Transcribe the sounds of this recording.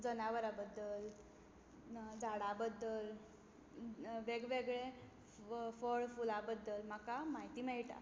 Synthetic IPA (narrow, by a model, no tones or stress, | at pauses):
d͡zənaʋəɾabəd̪ːəl | d͡zʱaɽabəd̪ːəl | ʋeɡʋeɡɭe | fɔɭfulabəd̪ːəlm̤akamaɦit̪iːməjʈa̰